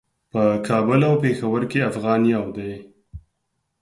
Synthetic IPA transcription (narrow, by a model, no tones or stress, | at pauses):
pəkʰɑbʊlawpexawəɾkeafɣɑnijɑwd̪aj